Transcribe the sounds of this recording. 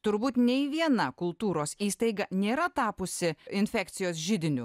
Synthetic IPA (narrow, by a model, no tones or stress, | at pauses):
t̪ʊɾbuːt̪nʲɛɪʋʲiɛnɐkʊlˠt̪uːɾoːsiːst̪ɐɪɡɐnʲeːɾɐt̪ɑːpʊsʲɪɪnʲfʲæːkt̪sʲɪjoːsʒʲɪd̪ʲɪnʲʊ